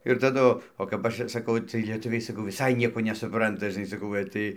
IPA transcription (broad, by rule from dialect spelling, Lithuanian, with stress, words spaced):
ɪr tɐˈdʊ oː kɐp ˈɐʃ ɪr sɐˈkɐʊ ˈt͡sɨɜj lʲiɛˈtʊʋʲɛɪ sɐˈkɐʊ ʋʲɪˈsɐɪ ˈnʲiɛkoː nʲɛsʊˈprɐntɐ ʒɨˈnɐɪ sɐˈkɐʊ ɡɐlʲ ˈtɐɪ